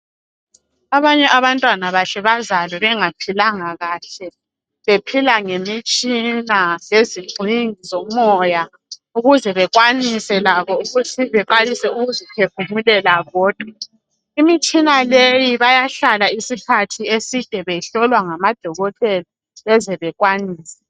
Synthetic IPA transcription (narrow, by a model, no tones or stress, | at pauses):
aβaɲɛʔaβantʼwanaβaɬɛβazalɛβɛŋapʰilaŋaɣaːɬɛ | βepʰilaŋemit͡ʃʼinajeziɡ͡ǀʱiŋizɔmɔja | uɣuzɛβɛɣwanisɛlaβɔuɣutʰiβɛǃalisɛuɣuzipʰefumulɛlaɣɔːd̥ʱwa | imit͡ʃʼinalejiβajaɬalaisikʰatʰiesid̥ʱɛβɛɬɔlwaŋamad̥ʱɔɣɔtʼɛla | βɛzɛβɛɣwaniːsɛ̥